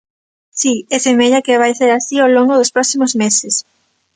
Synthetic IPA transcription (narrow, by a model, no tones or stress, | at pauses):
siesemeʎakeβajseɾasioloŋɡoðospɾɔksimozmeses